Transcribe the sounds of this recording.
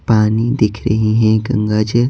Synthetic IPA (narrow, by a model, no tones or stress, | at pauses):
paːnid̪ɪkʰɾɐɦiɦɛ̃ɡə̰̃ŋɡad͡ʒ